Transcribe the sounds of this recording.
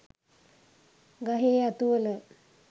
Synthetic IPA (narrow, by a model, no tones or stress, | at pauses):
ɡaɦeːat̪uʋələ